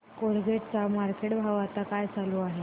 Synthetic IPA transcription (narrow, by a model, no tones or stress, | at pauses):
koɽɡeʈt͡samaɾkeʈbʱaʋat̪akajt͡saluaɦe